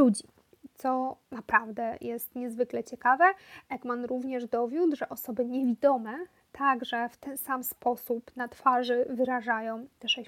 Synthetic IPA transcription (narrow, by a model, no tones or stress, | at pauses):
lud͡ʑi | t̪sɔnapɾavd̪ɛjʔɛst̪ɲɛzvɘklɛt͡ɕɛkavɛʔɛɡmanɾuvɲɛʐd̪ɔvʲjud̪ʐɛʔɔsɔbɘɲevʲid̪ɔmɛ | t̪ʰaɡʐɛft̪ɛnsamspɔsupnat̪faʐɘvɘɾaʐajɔ̃w̃t̪ɛʂɛɕ